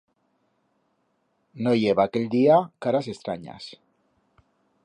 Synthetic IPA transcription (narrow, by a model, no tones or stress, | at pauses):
nojeβakeld̪iakaɾase̞st̪ɾa̰ɲa̰s